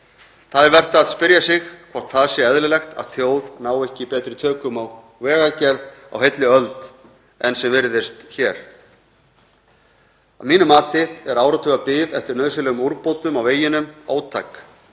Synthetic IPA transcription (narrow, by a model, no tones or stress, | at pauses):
θaðɛɾvɛr̥t̪aːðspɪɾjasɪxkʰvɔ̥t̪θaðsjɛɛðlɪlɛxt̪a̰ðθjoːwðnaːwɛhcɪpɛːt̪ɾɪt̪ʰœːkʏmaw | vɛːɣacɛɾða̰wɦejt̪lɪœlt̪ | ɛnsɛmvɪɾðɪst̪çɛɾ̥ | a̰vmiːnʏmaːt̪ɪɛɾaːwɾɔt̪ʰʏɣapɪðɛft̪ɪɾnœðsʏlɛɣʏmuɾpowt̪ʏmaweːjɪnʏmaːwt̪ʰa̰ːk